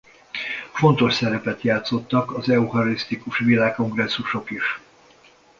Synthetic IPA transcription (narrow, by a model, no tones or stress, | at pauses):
fo̞nt̪o̞ʃsɛɾɛpɛt̪jaːt̪so̞t̪ːɒkɒzɛuhɒɾist̪ikuʃvilaːkːo̞ŋɡrɛsːuʃo̞kiʃ